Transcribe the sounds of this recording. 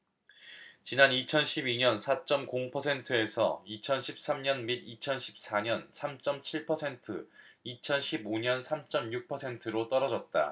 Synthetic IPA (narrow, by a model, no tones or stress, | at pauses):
t͡ɕinanit͡ɕʰʌnɕʰibiɲʌnsʰat͡ɕ͈ʌmkoŋpʰʌsʰe̞ntʰɯe̞sʰʌ̰it͡ɕʰʌnɕʰip̚s͈amɲʌnmidit͡ɕʰʌnɕʰi̥p̚s͈aɲʌnsʰamt͡ɕ͈ʌmt͡ɕʰiɭpʰʌsʰe̞ntʰɯit͡ɕʰʌnɕʰiboɲʌnsʰamt͡ɕ͈ʌmjuk̚pʰʌsʰe̞ntʰɯɾot͈ʌɾʌd͡ʑʌt̚t͈a̰